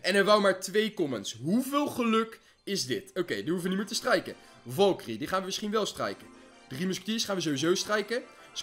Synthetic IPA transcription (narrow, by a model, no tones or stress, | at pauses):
ɛnɛɹʋawmaːɹtʋejkɔmənsɦuvɪːlˠχəlɵk | ɪzdɪtowkejdiɦufəʋənimɪːɹtəstrɛjkə | vɑlˠkridiχaːnʋəmɪsχinʋɛlˠstrɛ̰jkə | drimøskə̥tiəsχaːnʋəzowʋizowstrɛjkə